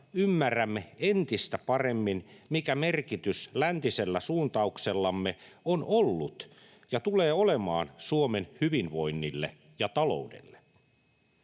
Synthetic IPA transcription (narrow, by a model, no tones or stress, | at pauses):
ymːæræmːeent̪ist̪æpɑremːinmikæmerkit̪yslænt̪iselːæsuːnt̪ɑukselːɑmːe | onolːut̪ | jɑt̪uleːolemɑ̰ːnsuomenhyʋinʋo̞jnːilːḛ | jɑt̪ɑlo̞̰udḛlːe̥